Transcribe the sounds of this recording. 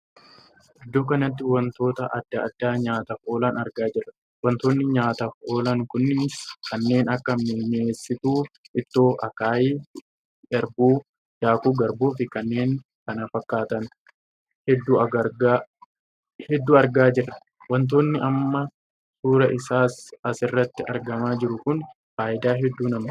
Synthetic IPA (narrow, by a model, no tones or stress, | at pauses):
ʔɪd̪ːo̞ːkɐnɐt̪̬ːɪwɐnt̪o̞ːt̪ɐʔɐd̪ːɐɐd̪ːaːɲaːt̪ɐfoːlɐnɐɾɡaːd͡ʒɪrːɐ̥ | wɐnt̪oːnːɪɲaːt̪ɐfoːlɐŋkʊnːɪnɪskɐnːe̞ːnɐkːɐmeɲeːsːɪt̪uː | ɪt̪ːoːɐkaːjiː | ɐɾbuː | jaːkuːɡɐɾboːfɪkɐnːe̞ːŋ | kɐnɐfɐkːaːt̪ɐn | hɛd̪ːuːɐɡɐɡa | hɛd̪ːuːɐɾɡaːd͡ʒɪrːɐ | wɐnt̪̬oːnːɪʔɐmːɐ | suːɾɐʔɪsaːsɐsɪrːɐt̪ːɪʔɐ̰ɾɡɐmaːd͡ʒɪɾʊkʊn | faːʔɪd̪aːɦɛd̪ːuːnɐm